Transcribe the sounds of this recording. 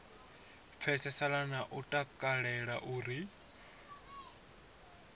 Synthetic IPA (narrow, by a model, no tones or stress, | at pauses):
p̪fʰɛsɛsalanaʔutʼakʼaɺɛɺaʔuːɾi